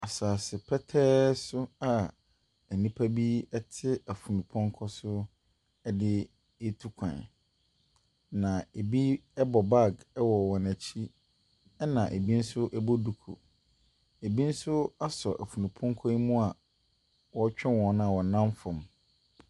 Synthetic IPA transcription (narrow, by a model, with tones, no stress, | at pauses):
a˨saː˨sɪ˨pʰɛ˦tʰɛː˦sʊ˦a˨ | ɛ˨nĩ˦pʰa˦bi˦ɛ˦tʰɪ˦æ˨fu˨nũ˨pʰɔ̃˦ŋ˦kʰɔ˦sʊ˦ | ɛ˦dɪ˦ | e˦tʰu˦kʷʰã̰˨ | nã˨e˨bi˦ɛ˦bɔ˨ba˦˨ɡɛ˦wɔ˨wɔ̃˨næ˨t͡ɕʰi˦ | ɛ˦nã˨ʔe˨bi˦n̩˦sʊ˦ʔɛ˦bo˦du˨kʰo̰˨ | e˨bi˦n̩˦sʊ˦a˦sɔ̰˨ʔæ̰˨fu˨nũ˨pʰɔ̃˦ŋ˦kʰɔ˦i˦mũ˦a˨ | wɔ˦t͡ɕᶣɛ˦wɔ̃˨˦nʊ̃˦a˨wɔ˨nã˦mfʊ̃˨m